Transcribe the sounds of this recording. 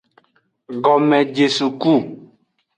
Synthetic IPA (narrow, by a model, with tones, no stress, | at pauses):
ɡɔ˨mɛ̃˨d͡ʒe˨su˨ku˦˨